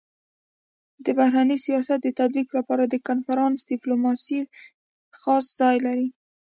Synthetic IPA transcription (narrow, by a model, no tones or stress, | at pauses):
d̪əbahɾanəsijɑsat̪̚d̪ət̪ad̪̚biklapɑɾad̪əkanfaɾɑnsd̪ɪplumɑsi | xɑsz̥ɑjlaɾi